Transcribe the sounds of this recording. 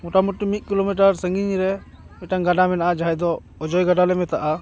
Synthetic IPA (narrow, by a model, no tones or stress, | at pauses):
mɔʈamuʈːimit̪̚kilomiʈ̬aɾsəŋɡiɲɾɛ | ɛʈaŋɡaɖamɛnaʔad͡ʒaɦɛd̪ɔː | d͡ʒɔjɡaɖalɛmɛt̪aʔa